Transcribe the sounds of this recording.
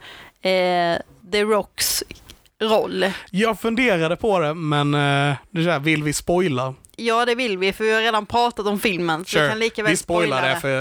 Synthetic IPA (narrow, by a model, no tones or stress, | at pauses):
d̪əɾɔks | ɾɔlːjɑːɡfɵnd̪eːɾad̪əpʰɔd̪ɛmɛnd̪ɛsævɪlvɪspɔjla | jɑːd̪ɛvɪlvɪfœɾvɪhaɾeːd̪anpʰɾɑːt̪at̪ɔmfɪlmənsɔɪkanliːkavɪspɔjladɛfə